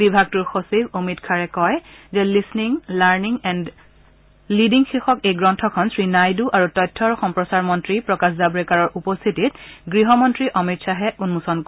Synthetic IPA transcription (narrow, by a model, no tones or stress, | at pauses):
bibʱaɡ̚tuɹxosibomitkʰaɹɛkɔjzɛlisniŋlaɹniŋɛnd | lidiŋxixɔkejɡɹɔntʰɔkʰɔnsɹinajduʔaɹutɔjtʰːɔɹxɔmpɹɔsaɹmɔntɹipɹɔkaszabɹɛkaɹɔɹʔupɔst̪ʰitit̚ɡɹiɦɔmɔntɹiʔɔmitsaɦɛunmusɔnk